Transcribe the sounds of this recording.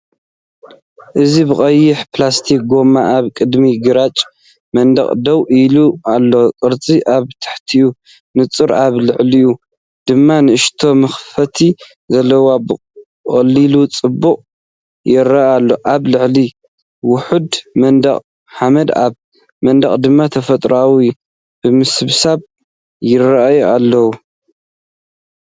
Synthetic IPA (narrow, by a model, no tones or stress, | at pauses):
ʔɨzibɨkʼɐjːɪħplast̪ʰik̚ɡo̞maʔaβkʼɨd̪miɡɨɾat͡ʃʼ | mɐnd̪ɐ̰χʼd̪ɐwʔilualːo̞kʼɨɾt͡sʼiʔaβt̪ʰɨ̥ħt̪ʰiju | nɨt͡sʼɨɾaβlɨʕliju | d̪̥ɨmːanɨɨʃt̪ʰo̞mɐxfɐt̪ʰi | zɐlːɐwabɨ | χʼɐlːilut͡sʼɨbːuqʼ | jɪɾaʔalːo̞ʔaβlɨʕli | wʊħud̪mɐnd̪ɐχʼ | ħamɐd̪a̰β | mɐnd̪ɐχʼd̪ɨmːat̪ʰɐfɐt̪ʼɾawi | b̥ɨmɨsɨβsaβ | jɪrɐʔjalːɐwu